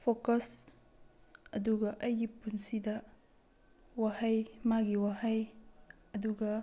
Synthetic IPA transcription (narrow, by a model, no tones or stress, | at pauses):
pʰokɐs | ɐduɡɐʔɐjɡipunsidɐ | wahɐjmaɡiwahɐj | ɐduɡɐ